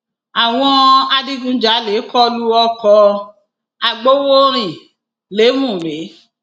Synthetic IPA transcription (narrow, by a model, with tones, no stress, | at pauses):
a˨w̃ɔ̃˧a˧di˦ɡũ˦d͡ʒa˨˦le˨˦kɔ˦lu˦ɔ˧kɔ˧ | a˧ɡ͡bo˦wo˦ɾ̃ĩ˨ | le˨˦mũ˦˨ɾe˨˦